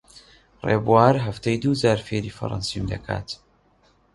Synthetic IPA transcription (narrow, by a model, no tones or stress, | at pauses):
reːbuwaːɾɦɐft̪ejd̪uːzaːɾfeːɾiːfɐ̰ɾɑ̰nsimd̪ɐ̰kʰa̰ːt̪